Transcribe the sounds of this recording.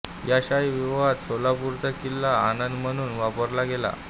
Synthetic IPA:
jaɕaiʋiʋat̪solapuɾt͡sakilːaːnənd̪m̤əñuːnʋapəɾlaɡela̰

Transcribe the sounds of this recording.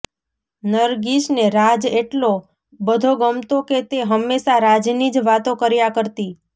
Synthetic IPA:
nəɾɡiʃneɾad͡ʒeʈlo | bəd̪ʱoɡəmt̪oket̪eɦəmːeʃaɾad͡ʒnid͡ʒʋat̪õkəɾjakəɾt̪i

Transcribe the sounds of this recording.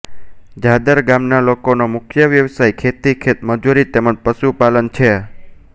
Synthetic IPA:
d͡ʒad̪əɾɡamnalokonomʊkʰjəʋjəʋsajkʰet̪ikʰet̪məd͡ʒuɾit̪eməd͡ʒpəʃupalənt͡ʃʰe

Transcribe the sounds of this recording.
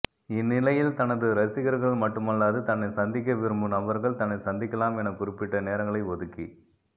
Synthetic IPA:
ɪnːɪlɐjɪlt̪ɐnɐðɯɾɐsɪɣɐɾɣɐɭmɐʈːɯmɐlːaːðɯt̪ɐnːɐɪsɐnd̪ɪk̬ːɐʋɪɾɯmbɯnɐbɐɾɣɐɭt̪ɐnːɐɪsɐnd̪ɪkːɐlaːmɛnɐkʊɾɪpːɪʈːɐneːɾɐŋɡɐɭɐɪʋɔðɯkːi

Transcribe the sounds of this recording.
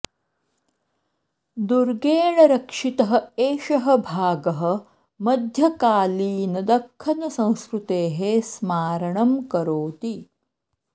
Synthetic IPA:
d̪uɾɡeːɳɐɾɐkʂit̪ɐɦɐ̆eːʃɐɦɐ̆bʱaːɡɐɦɐ̆ | mɐd̪ʱjɐkaːliːnɐd̪ɐkʰːɐnɐsɐ̃w̃skɾut̪eːɦesmaːɾɐɳɐmkɐɾoːt̪i

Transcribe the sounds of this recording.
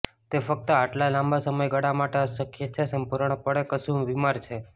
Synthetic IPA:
t̪efək̚t̪əaʈlalambasəməjɡəɽamaʈeəsəkjət͡ʃʰesəmpuɾɳ̃pəɽekəsũʋimaɾt͡ʃʰe

